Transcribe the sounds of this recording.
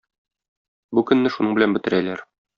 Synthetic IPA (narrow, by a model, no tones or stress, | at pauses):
bukɵ̆nːɘʃunɤɴbɘ̆lænbɘ̆t̪ɘ̆ɾælæɾ